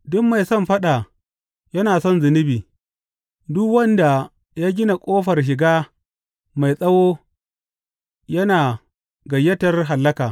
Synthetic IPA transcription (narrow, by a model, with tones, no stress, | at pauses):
dʊ˦kma˨jsɔ˦mɸɐ˦ɗa˨ | jɐ˦naː˨sɔ˦nzɪ˨nɪ˦biː˨ | dʊ˦kwɐ˦nda˨ | jaː˦ɡʲɪ˦na˨kʷʼoː˦ɸɐ˨rʃ̬ɪ˨ɡaː˦ | ma˨jsʼɐ˦woː˦ | jɐ˦naː˨ | ɡɐ˨jːɐ˦tɐ˦rɦa˨lːɐ˦kaː˨